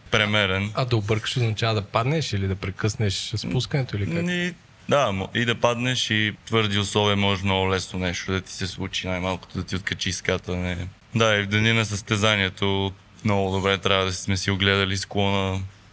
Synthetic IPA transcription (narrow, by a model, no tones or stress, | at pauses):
pɾɛmɛɾɛnɐd̪ɐʊbɤɾkə̥ʃoznɐt͡ʃavəd̪ɐpad̪nɛʃilid̪ɐpɾɛkɤsnɛʃspuskɐnɛt̪oilikni | d̪amid̪ɐpad̪nɛʃit̪vɤɾd̪iʊslˠɔviɛmnɔʒɛnɔɡʊlɛsnonɛʃt̪od̪ɐt̪i̥sɛslˠut͡ʃinajmalˠkʊ̥t̪od̪ɐt̪iot̪̚kɐt͡ʃiskat̪ənɛ | d̪aivd̪ɐninɐsəst̪ɛzaniɛt̪o | mnɔɡʊd̪obɾɛt̪ɾʲavəd̪ɐsi̥smɛsioɡlɛd̪ɐlisklˠɔnə